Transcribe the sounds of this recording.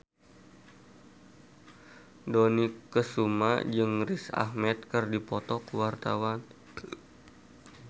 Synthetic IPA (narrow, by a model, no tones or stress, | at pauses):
dɔnikːəsuma̰d͡ʒɨŋrisa̰hmɛt̪̚kərdipɔt̪ɔkwart̪awan